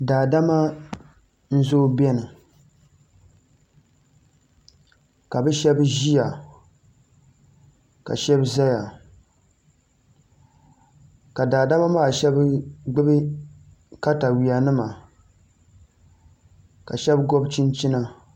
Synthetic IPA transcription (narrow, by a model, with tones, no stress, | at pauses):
daː˨da˦ma˦ | n̩˦zoː˦bɛ˦nɨ˨ | ka˨bɛ˦ʃɛ˦bʒi˦ja˨ | ka̰˨ʃɛ˦bza˦ja˨ | ka˨daː˨da˦ma˦maː˦˨ʃɛ˦bɡ͡bɨ˦bɨ˦ | ka˦ta˨wi˨a˨nɨ˦ma˨ | ka̰˨ʃɛ˦bɡɔ˦bt͡ʃi˦nt͡ʃi˦na˦